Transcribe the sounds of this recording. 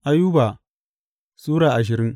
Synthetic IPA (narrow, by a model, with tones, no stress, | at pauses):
ʔa˦juː˦baː˨ | sʼuː˦ɽaː˨ʔa˨ʃ̬ɪ˨ɾɪ˦ŋ